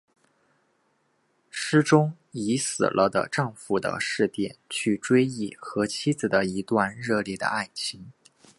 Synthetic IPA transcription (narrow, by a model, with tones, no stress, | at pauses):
ʂɻ̩˥ʈ͡ʂʊ˥ŋ | i˧˥sɹ̩̰˨˩lʔə˦d̪ə̰˧ʈ͡ʂɑ˥˧ŋfu˥˩d̪ə̰˧ʂɻ̩˥˧t̪jɛ˥˩nt͡ɕʰy˥˩ʈ͡ʂwe˥ɪi˥˩xɤ˧˥t͡ɕʰi˥d͡zɹ̩˨˩d̪ə˩i˧˥t̪wa˥˧nɻɤ˥˧ljɛ˥˩d̪ə̰˩a˥˩ɪt͡ɕʰi˧˥ŋ